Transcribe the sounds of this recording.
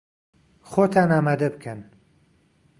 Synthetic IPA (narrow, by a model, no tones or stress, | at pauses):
xoːt̪ʰaːnaːmaːd̪ɐbɨkʰɐn